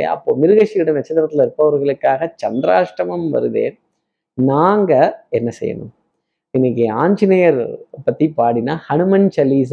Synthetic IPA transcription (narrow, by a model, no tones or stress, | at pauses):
ɐ̰pːoːmɪɾɯɣɐʂiʋɪɽɐnɐt͡ʃːɐnɾɐt̪ːɪlɪɾɯpːɐʋɐɾɣɐɭɯkːaːɣɐt͡ʃɐnd̪ɪɾaːʂʈɐmɐmʋɐ̰ɾɯʋḛːn | naːŋɡɐɛnːɐsɛ̰jːɐ̰nɯ̰m | ɪnːɪkːiaːɲd͡ʒɪnɐjɐɾpːɐt̪ːipaːɽinaːhɐɳɯmɐnt͡ʃɐlːiːs